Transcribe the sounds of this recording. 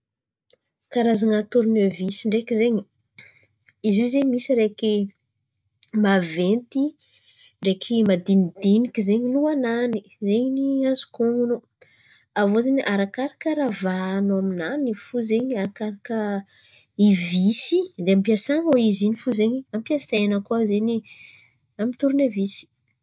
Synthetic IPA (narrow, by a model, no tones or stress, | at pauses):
kaɾazaŋat̪uɾinevisiɳɖ͡ʐekizeɲi | izizeɲmisiɾeki | mavent̪i | ɳɖ͡ʐekʰimad̪inid̪inikizeɲinuanani | zeɲiniazu̥koŋunu | avozeɲiʔaɾakaɾakəɾavanaminanifuzeɲiaɾakaɾakə | ivisid̪eampiasaŋoizinifuzeɲiampiasajnəkuazeɲi | amint̪uɾunavisi̥